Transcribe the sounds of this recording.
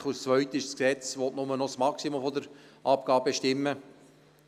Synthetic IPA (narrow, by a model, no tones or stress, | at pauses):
χust͡sʋœʏt̪ɪʃsksɛt͡sʋɔt̪nʊmənɔsmɑksimɔfɔd̪əɾʔɑpɡ̥ɑːb̚eʃtɪmːə